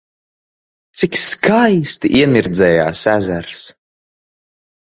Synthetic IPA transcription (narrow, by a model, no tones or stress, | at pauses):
t̪sikskʰajst̪ḭʔiɛmʲiɾd̪zɛːja̰ːsæzæɾs